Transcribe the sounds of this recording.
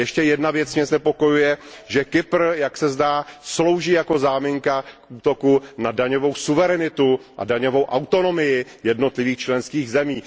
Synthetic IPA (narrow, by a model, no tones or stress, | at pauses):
jɛʃcɛjɛdnavjɛt͡smɲɛznɛpo̞ko̞jujɛʒɛkɪpr̩jaksɛzdaːslo̞wʒiːjako̞zaːmɪŋkakʔuːt̪o̞kunadaɲo̞vo̞wsuvɛɾɛnɪt̪uʔa̰daɲo̞vo̞wʔawt̪o̞no̞mɪjɪjɛdno̞t̪lɪviːxt͡ʃlɛnskiːɣzɛmiː